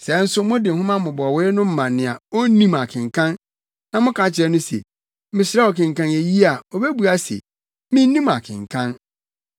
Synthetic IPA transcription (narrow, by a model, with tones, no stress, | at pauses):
sɛ˨n̩˦sʊ˦mʊ̃˦dɪ˨hʊ̃˦mã˦mʊ̃˨bɔ˨wɾɪ˦nʊ̃˦m̩˦mã˨nnːɪ̃˨a˨o˦nĩ˦ma˨kʰɪ̃˨ŋkʰã˦n | nã˨mʊ̃˦kʰã˨˦t͡ɕʰɪ˨ɾɛ˦nʊ̃˦sḛ˨ | mɪ̃˨sɪ˦ɾɛ˦ɔ˨kʰɪ̃˨ŋ˨kã˦ne˨ji˦a˨o˨be˦bu˨a˦sḛ˨ | mĩ˦n˦nĩ˦ma̰˨kʰɪ̰̃˨ŋkʰã˦n